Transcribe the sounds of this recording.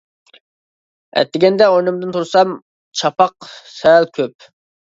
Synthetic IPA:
ɛ̰t̪ːɪɡʲɛnd̪ɛojnɨmd̪ɨnt̪ʰuɾsɑm | t͡ʃʰɑpɑq̚sɛlˠkʲʰøp̚

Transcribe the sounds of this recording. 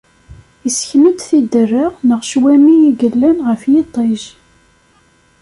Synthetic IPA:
isçməd̪θid̪ərːəʁnəʁʃwæmijiɡəlːænʁəfjit̪ˤːeʒ

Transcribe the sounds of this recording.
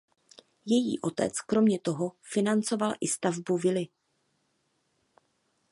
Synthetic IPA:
jɛjḭːʔo̞t̪ɛ̰t͡skɾo̞mɲɛt̪o̞ɦo̞fɪnant͡so̞valʔɪst̪avbuvɪlɪ

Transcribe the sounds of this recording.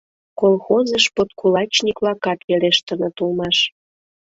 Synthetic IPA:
kolxozəʃpot̪kʰulɑt͡ɕnikβlɑkɑt̪βeleʃt̪ənə̆t̪ulmɑʃ

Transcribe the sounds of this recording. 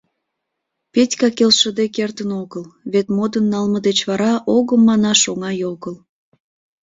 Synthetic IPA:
petʲkɑkelʃəd̪ekert̪ənoɣəlβet̪mod̪ənːɑlməd̪et͡ɕβɑɾɑʔoɣəmːɑnɑʃoŋɑjoɣəl

